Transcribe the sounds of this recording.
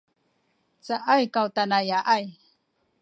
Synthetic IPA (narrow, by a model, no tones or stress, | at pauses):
t͡saʔajkawt̪anajaʔaj